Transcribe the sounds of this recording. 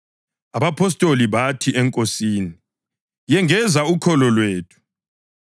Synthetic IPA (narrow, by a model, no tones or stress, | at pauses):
aβapʰɔs̬tʼoliβatʰiʔɛŋkʼosiːni | jɛŋɛzaukʰɔlɔlweːtʰu̥